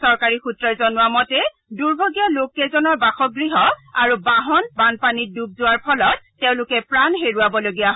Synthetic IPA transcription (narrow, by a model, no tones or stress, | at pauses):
sɔɹkaɹixutɹɔzɔnʊwamɔtɛ | duɹbʱɔɡijalokːezɔnɔɹbaxɔɡɹiɦɔaɹubaɦɔnbanpanidub̚zʊwaɹpʰɔlɔt̚ːeʊ̃lʊkɛpɹanɦeɹuabɔloɡijaɦ